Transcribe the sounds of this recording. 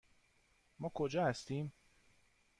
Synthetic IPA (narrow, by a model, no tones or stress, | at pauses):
mɒːkʰod͡ʒɒːhæst̪iːm